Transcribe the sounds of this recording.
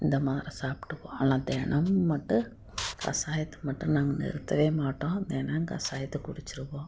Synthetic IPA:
ɪnd̪ɐmaːðɾisaːpʈːɯpːõ̰ːɐnãːd̪ɛːɳɐmːɐʈːɯ̃ | kɐ̰saːjɐt̪ːɯ̥mɐʈːɯ̃naːŋɡɐnɪ̰ɾɯt̪ːɐʋeːmaːʈːõːnd̪eːnaŋɡɐ̰saːjɐt̪ːɯkʊɽɪt͡ʃːɪɾɯʋõː

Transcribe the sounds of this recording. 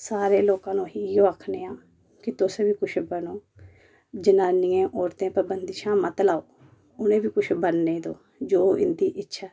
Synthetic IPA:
saːɾeːloːkãːnũːɦiːjoːəkʰneːãː | kɪt̪ʊsbiːkʊt͡ʃʰbənoː | d͡ʒɪnãːnɪːẽːʔɔːɾt̪ẽːpəɾbənd̪ɪʃãːmət̪laːoː | ʊnẽːbiːkʊt͡ʃʰbənːeːd̪oː | d͡ʒoːɪ̰nd̪iːʔɪtːʃʰaː

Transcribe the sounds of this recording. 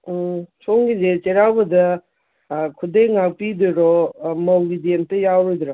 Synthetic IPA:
sʰoŋɡizet͡ʃeɾawbɐdɐ | kʰudejŋak̚pidɯɾɔmɐwɡidentɐjawɾɔd̪ɾɔ

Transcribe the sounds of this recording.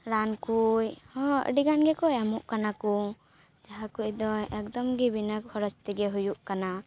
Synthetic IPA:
ɾankujhɔ̃ə̰ɖiɡanɡɛkɔjamɔʔkanaku | d͡ʒaɦakujd̪ɔɛk̚d̪ɔmɡibinəkhɔɾɔt͡ʃt̪ɛɡɛɦujuʔkana

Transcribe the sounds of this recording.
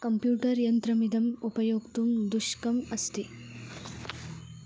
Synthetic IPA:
kɐmpjuːʈɐɾjɐnt̪ɾɐmid̪ʱɐmupɐjoːɡt̪umd̪uʂkɐmɐst̪i

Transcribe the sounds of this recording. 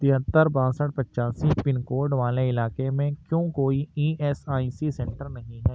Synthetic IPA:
t̪ɪɦət̪ːəɾbãːsəʈ̚ʰpɐʃaːsipɪnkoːɾɖʋaːleɪlaːkemẽkjõːkoːiiːʔɛːsaːisisɛ̃ɳʈəɾnɐɦĩɦɛː

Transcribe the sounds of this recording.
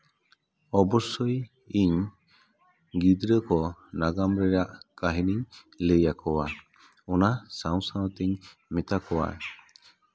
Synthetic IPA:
ɔbɔsɔj | iɲ | ɡid̪ɾəkɔnaɡamɾɛɾaʔkaɦiniɲ | ləjakʰɔwa | ɔnasaw̃saw̃t̪iɲmɛt̪akʰɔwa̰ɛ

